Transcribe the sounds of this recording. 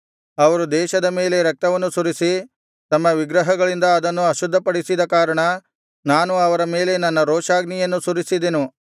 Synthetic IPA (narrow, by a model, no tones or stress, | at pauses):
ɐʋɐɾud̪ɛːʃɐd̪ɐme̞ːle̞ɾɐk̚t̪ɐʋɐnːusuɾisi | t̪ɐmːɐʋiɡɾɐɦɐɡɐɭind̪ɐːd̪ɐnːuɐʃud̪ʱːɐpɐɽisid̪ɐkaːɾɐɳɐ | naːnuɐʋɐɾɐme̞ːle̞nɐnːɐɾoːʃaːɡnijɐnːusuɾisid̪enu